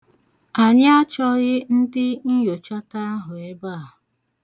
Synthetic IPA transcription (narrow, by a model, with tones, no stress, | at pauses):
a˨ɲ˦a˦t͡ʃɔ˦ɣɪ˦n̩˦dɪ˦n̩˦jo˨t͡ʃa˦ta˦a˦ɦʊ˨e˦ba˦˨